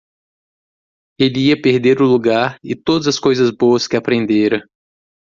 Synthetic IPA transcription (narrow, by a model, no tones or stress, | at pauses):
elɪiɐpeɾd̪eɾʊluɡaɾɪt̪od̪ɐzɐskojzɐzboɐskɪapɾẽnd̪eɾɐ̃